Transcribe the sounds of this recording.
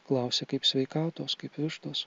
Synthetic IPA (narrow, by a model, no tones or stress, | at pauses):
klˠɐʊsʲɛkɐɪpsʲʋʲɛɪkɑːt̪oːskɐɪpʋʲɪʃt̪oːs